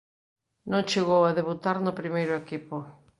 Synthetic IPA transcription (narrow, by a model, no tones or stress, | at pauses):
nõŋt͡ʃeɣowaðeβut̪aɾnʊpɾimejɾʊekipʊ